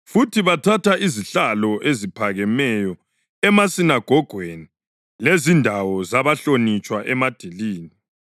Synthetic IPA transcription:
futʰiβatʰatʰaʔiziɬalɔʔezipʰaɣɛmɛjɔ | ɛmasinaɡ̥ʱɔɡ̥ʱweni | lezindʱawɔzaβaɬonit͡ʃʼwaʔɛmad̥ʱiliːni

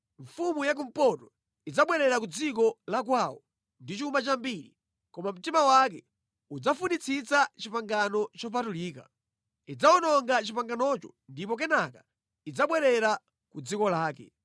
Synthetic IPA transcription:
ɱ̩fumujak̬um̩pɔtɔ | id͡zaɓwɛɾɛɾak̬ud͡zik̬ɔlak̬wawɔ | ndit͡ʃumat͡ʃambiɾi | kɔmam̩timawakɛ | ud͡zafunit͡sʰit͡sat͡ʃipaŋɡanɔt͡ʃɔpatuliːka̰ | id͡zaɔnɔŋɡat͡ʃipaŋɡanɔt͡ʃɔ̥ndipɔk̬ɛnaka | id͡zaɓwɛɾɛɾa | kud͡zikɔlaːkɛ̰

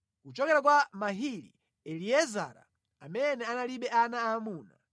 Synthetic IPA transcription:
kut͡ʃɔkɛɾak̬wamaɦili | ɛliɛza̰ɾa̰ | amɛnɛanaliɓɛanaːmuːna

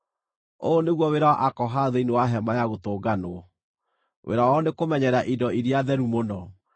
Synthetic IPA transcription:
oːneɣwɔweɾawɔʔakɔɦaðeinewaɦɛmajaɣotoːɡanoɔ | wʔḛɾawɔnekomɛɲɛɾaʔidɔiɾiaðɛɾumonɔ

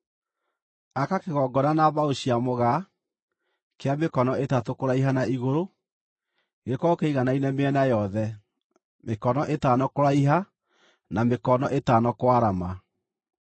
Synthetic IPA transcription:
akakeɣɔɡɔnanaβaoɕiamoɣa | keamekɔnɔetatokoɾaiɦanaiɣoɾo | ɣeɾekɔokeiɣanainɛmeɛnajɔðɛ | mekɔnɔʔetaːnɔkoɾaiɦa | namekɔnɔʔetaːnɔkwaɾama

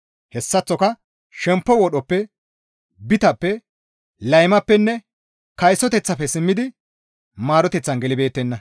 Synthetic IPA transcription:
hɛsːɐt͡sːɔkɐ | ʃɛmpːɔwɔɗɔpːɛ | bɪt̪ɐpːɛ | lɐjmɐpːɛnːɛ | kɐjsɔt̪ɛt͡sːɐpːɛsɪmːɪd̪ɪ | maːɾɔt̪ɛt͡sːɐnɡɛlɪbe̞ːt̪ːɛnːɐ

